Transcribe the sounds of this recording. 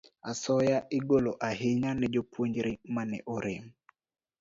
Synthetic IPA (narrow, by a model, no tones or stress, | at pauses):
asɔjaʔiɡoloʔaɦɪɲanɛd͡ʒopwoɲd͡ʒɾimanɛ̰ʔoɾɪm